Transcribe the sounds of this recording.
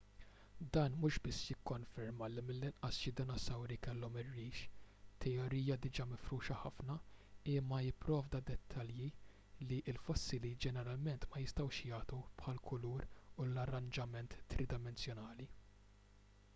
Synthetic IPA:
d̪ɐːnmʊʃbɪsːjɪkːɔnfɛɾmɐlimɪlːɪnʔɐsʃɪd̪ɪnɔsɐwɾikɛlːɔmɪrːiːʃt̪ʰːɛjɔɾiːjɐd̪ɪd͡ʒɐmɪfɾuːʃɐħɐfnɐɪːmːɐjɪpːɾɔːvd̪ɐd̪ɛt̪ʰːɐlji | liʔɪlfɔsːɪlid͡ʒɛnɛɾɐlmɛnt̪mɐjɪst̪ɐwʃjɐːt̪upħɐlkʰʊluːɾʊlɐrɐnd͡ʒɐmɛnt̪ːɾɪd̪ɪmɛnsjɔnɐːli

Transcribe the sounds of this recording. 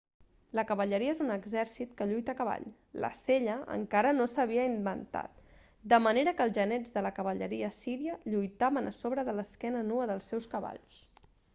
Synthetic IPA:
ləkəβəʎəɾiəezunəɡzɛɾsit̪kəʎujt̪əkəβa̰ʎ | lə̰seʎəə̰ŋkaɾənosəβ̞iəimbənt̪a̰t̪̚ | d̪əməneɾəkəlˠzʒənɛd͡zðələkəβəʎə̰ɾiəsiɾiəʎujt̪aβənəsoβɾəðələskɛnənuəðəlˠsɛwskəβa̰ʎs

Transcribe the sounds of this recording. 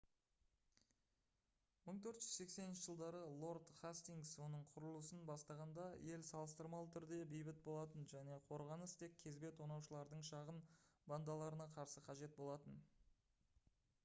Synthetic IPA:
məɴt̪ʰɵɾt̪ʒ̥ʏzse̞kse̞nɪnʃəʒəlˠd̪ɑɾəlˠo̞ɾd̪χast̪iŋɡswo̞nəɴqʰʊɾəlˠusənbɑst̪ɑʁɑnd̪ɑje̞lsɑlˠəst̪əɾmɑlˠət̪ʰʏɾd̪e̞bejbɪt̪̚bo̞lˠɑt̪ənʒæne̞qʰo̞ɾʁɑnəst̪ʰe̞k̚ʲʰe̞zbe̞t̪ʰonɑwʃəlˠɑɾd̪əɴʃɑʁənband̪ɑlˠɑɾənɑqʰɑɾsəqʰɑʒe̞t̪̚bo̞lˠɑt̪ən

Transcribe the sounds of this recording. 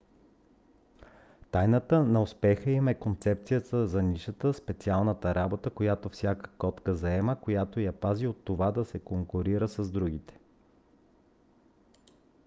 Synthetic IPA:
t̪ajnət̪ənɐospɛxəimɛkont̪sɛp̚t̪sijət̪əzɐniʃət̪əspɛt̪sialˠnət̪əɾabot̪əkojat̪ofsʲjakə̥kɔt̪kəzɐɛməkojat̪ojɐpaziot̪ːovad̪ɐsɛkoŋkoɾiɾəsɐzd̪ɾuɡʲit̪ɛ̥

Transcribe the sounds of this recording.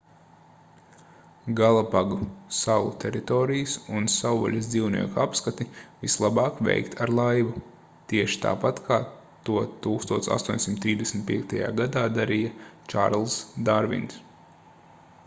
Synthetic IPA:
ɡalˠapaɡusawˠṵt̪ʰɛɾit̪ɔːɾijsunsawɔ̰lʲɐsd̪ziwnḭɛkuapskat̪ivislˠabɑːkvɛ̰jkt̪ʰaɾlˠajʋu | t̪iɛʃi̥t̪a̰ːpat̪kʰaː | t̪uɔt̪uːkst̪uɔt̪sa̰st̪uɔɲʲsʲimt̪ːɾiːzd̪esmʲt̪̚piɛk̚t̪aja̰ːɡad̪aːd̪aɾijat͡ʃa̰ɾlˠsd̪aɾvḭnt̪s

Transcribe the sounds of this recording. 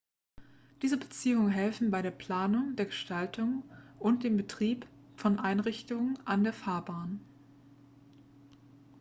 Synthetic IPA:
d̥iːzəbət͡siːʊŋənɦɛlfn̩baɪɾeːɐpʰl̥aːnʊŋdeːɐɡəʃtaltʰʊŋʔʊnt̚d̥eːmbətʁ̥iːp | fɔnʔaɪnʁɪçtʊŋənʔandeːɐfaːɐbaːn

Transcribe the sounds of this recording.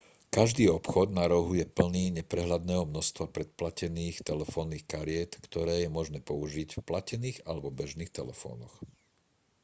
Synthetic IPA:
kaʒd̪iːɔpxɔd̪naɾɔɦujɛpl̩niːɲɛpɾɛɦlad̪nɛːɦɔmnɔst̪ʋapɾɛt̪̚placɛniːxt̪ɛlɛfɔːnːiːxkaɾɪɛt̪kt̪ɔɾɛːjɛmɔʒnɛːpɔuʒiɟfplacɛniːɣalɛbɔbɛʒniːxt̪ɛlɛfɔ̰ːnɔx

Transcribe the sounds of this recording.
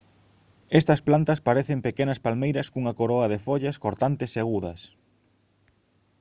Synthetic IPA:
est̪ɐsplant̪ɐspaɾeθempekenɐspalmejɾɐskuŋɐkoɾoɐðefoʎɐskoɾt̪ant̪ɪseaɣuðɐ̰s

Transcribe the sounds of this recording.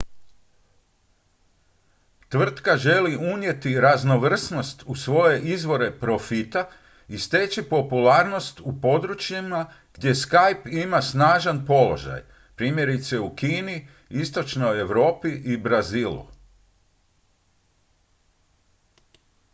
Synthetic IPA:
t̪ʋr̩t̪kaʒe̞liunje̞t̪iɾazno̞ʋr̩sno̞st̪usʋo̞je̞ʔizʋo̞ɾe̞pɾo̞fit̪a | ist̪et͡ʃipo̞pulaːɾno̞st̪upo̞d̪ɾut͡ʃjima | ɡ̥d̪je̞skajpimasnaːʒanpo̞lo̞̰ʒa̰j | pɾiːmje̞ɾit̪se̞ukiːni | ist̪o̞t͡ʃno̞je̞ʋɾo̞ːpiʔibɾaziːlṵ

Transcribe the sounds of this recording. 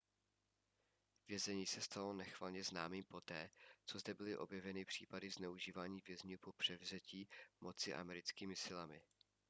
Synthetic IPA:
vjɛzɛɲiːsɛst̪alo̞nɛxv̥alɲɛznaːmiːmpo̞t̪ɛːt͡so̞zd̪ɛbɪlɪʔo̞bjɛvɛnɪpr̝̥iːpadɪznɛuʒiːvaːɲiːvjɛzɲuːpo̞pr̝̥ɛvzɛciːmo̞t͡sɪʔa̰mɛɾɪt͡skiːmɪsɪlamɪ

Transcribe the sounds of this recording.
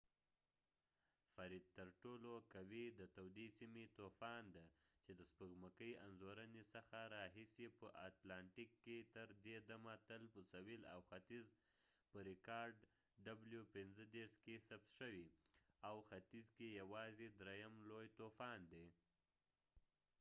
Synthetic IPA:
faɾid̪̚t̪əɾʈolokawid̪ət̪awd̪isimet̪ofɑnd̪at͡ʃed̪əspəɡməkəjanzoɾənesəxaɾɑɦisipəʔat̪lɑɳʈikːet̪əɾd̪ed̪amat̪əlpəsawila̰wxat̪iz | pəɾɪkɑɾɖ | ɖabljupɪnzəd̪eɾʃkesap̚t̪ʃəwiawxat̪izkejawɑzed̪ɾejamlojt̪ofɑnd̪e

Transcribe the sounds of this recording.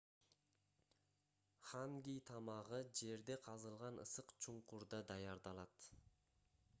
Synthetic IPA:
χaŋɡʲijt̪ʰɑmɑʁɯd͡ʒe̞ɾd̪e̞qʰɑzɯlˠʁɑnɯ̰sɯqt͡ʃʰuɴquɾd̪ɑd̪ɑjɑɾd̪ɑlˠɑt̪

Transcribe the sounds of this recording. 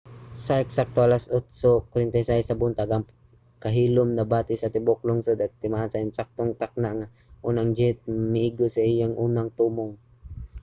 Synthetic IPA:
sɐʔɛksak̚t̪oʔalasʊt̪sokwɾɪnt̪ɐjsajsɐbʊnt̪aɡam | kɐɦiːlʊmnɐbaːt̪ɪsɐt̪ɪbok̚lʊŋsod̪at̪̚t̪ɪmaʔansɐɪnsak̚t̪oŋt̪ak̚naʔŋa | ʔuːnaŋd͡ʒɛt̪̚mɪiɡosɐʔɪjaŋʔuːnaŋt̪uːmoŋ

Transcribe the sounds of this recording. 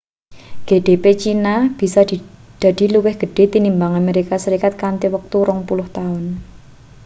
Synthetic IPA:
ɡ̥eɖ̥epet͡ʃinab̥i̤sɔd̥i | d̪̥a̤d̥i̤luwɪhɡ̥ə̤ɖ̥e̤t̪inimbaŋameɾikasəɾikat̪̚kant̪iwək̚t̪uɾɔŋpulʊht̪aʊn

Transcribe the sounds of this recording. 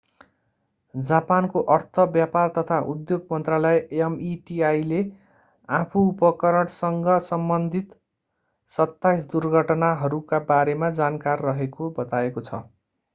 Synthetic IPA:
d͡zapankoʔʌrt̪ʰʌbjapart̪ʌt̪ʰaʔud̪joɡmʌnt̪ralʌeeʌmiʈiajle | apʰuːpʌkʌɾʌɽsʌŋɡʌsʌmbʌnd̪ʱit̪ | sʌt̪ːajsd̪urɡʱʌʈnaɦʌɾukabaɾemad͡zankarːʌɦekobʌt̪aekot͡sʰʌ̰

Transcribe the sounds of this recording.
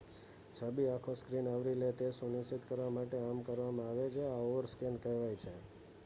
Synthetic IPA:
t͡ʃʰabiakʰoskɾinaʋɾilet̪esunisit̪kəɾʋamaʈeamkəɾʋamãaʋet͡ʃʰeaoʋəɾskɛnkɛɦʋajt͡ʃʰe

